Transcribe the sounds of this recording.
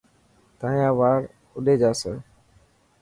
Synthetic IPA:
t̪ãːjãːʋaːɾ | ʊɗeːd͡ʒaːsəː

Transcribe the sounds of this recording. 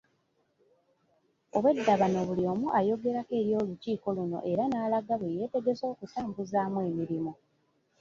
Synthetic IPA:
o̞βwe̞dːaβano̞βuliomuʔajo̞ɡe̞ɾake̞ːɾjo̞ːluciːko̞luno̞̰ʔe̞ɾanaːlaɡaβweje̞ːte̞ɡe̞zo̞ːkutaːmbuzaːmwe̞ːmiɾimo

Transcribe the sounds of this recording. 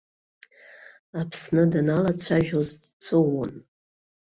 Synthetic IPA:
apʰsnɨdanalat͡ɕʷʰaʒʲᶣozdt͡sʰɨʊn

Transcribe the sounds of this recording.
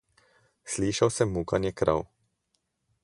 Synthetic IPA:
sliʃawsɛmːukanjɛkɾʔa̰w

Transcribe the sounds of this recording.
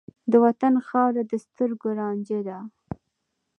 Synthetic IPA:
d̪əwat̪anxɑɾad̪əst̪əɾɡoɾɑnd͡ʒed̪a

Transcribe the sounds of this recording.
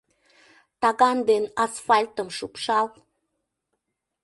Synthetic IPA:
t̪ɑɣɑnd̪enɑsfɑlʲt̪əmʃupʃɑl

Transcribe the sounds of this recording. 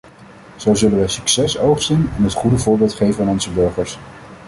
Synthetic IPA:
z̥owzɵlənʋəsyksɛsowχsinɛnɦətχudəvʊːɹbɪːlˠtχejvənanɔnzəbɵɹχəɹs

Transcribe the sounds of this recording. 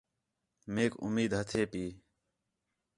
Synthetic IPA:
meːkʊ̰miːd̪ɦət̪ʰeːpiː

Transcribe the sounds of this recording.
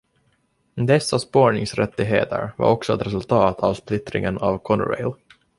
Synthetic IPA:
d̪ɛsːaspoːɳɪŋsɾɛt̪ːɪɦḛːt̪ʰə̰ɾva̰ɾɔksɔɛt̪ɾɛs̬ɵlt̪ʰɑːt̪ʰavsplɪt̪ːɾɪ̰ŋənavkʰɔnəɾɛ̰jl

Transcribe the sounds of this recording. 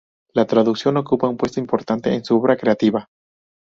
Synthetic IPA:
lat̪ɾaðuksjo̞no̞kupaumpwe̞st̪o̞impo̞ɾt̪ant̪e̞̰ensuo̞βɾakɾe̞at̪iβa

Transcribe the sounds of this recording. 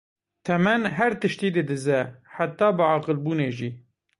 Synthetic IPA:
t̪ʰɛmɛnɦɛɾt̪ɨʃt̪iːd̪ɨd̪ɨzɛħat̪ːɑːbəʕɑːqəlbuːneːʒiː

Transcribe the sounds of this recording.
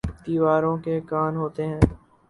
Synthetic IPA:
d̪iːʋaːɾõːkekaːnɦoːt̪eɦɛ̃ː

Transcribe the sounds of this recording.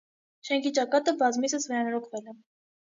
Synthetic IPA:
ʃɛŋkʰit͡ʃɑkɑt̪əbɑzmisəsvɛɾɑnɔɾɔkʰvɛlɛ

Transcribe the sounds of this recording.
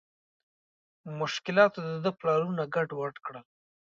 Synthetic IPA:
mʊʃkɪlɑt̪od̪əd̪əplɑɾunaɡaɖwaʈkɽəl

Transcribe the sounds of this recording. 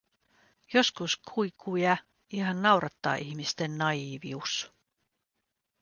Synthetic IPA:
jo̞skuskʰuikʰːujɑ | iɦɑnːɑwɾʔɑt̪ːɑ̰ːʔiçmist̪enːɑiːʋius

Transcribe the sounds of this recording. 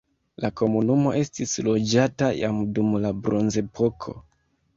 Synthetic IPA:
lako̞munumo̞ʔe̞stislo̞d͡ʒataja̰mdumlabɾonze̞pʰo̞kʰo̞̰

